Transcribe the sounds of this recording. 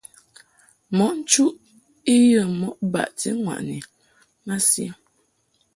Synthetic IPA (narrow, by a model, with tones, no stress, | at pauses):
mɔ˨˦ʔn̩˦t͡ʃu˦ʔ | i˦jə˦˨mɔ˦ʔba̰˨ʔtḭ˦ŋwa̰˨ʔni˨ | ŋa˦sja˦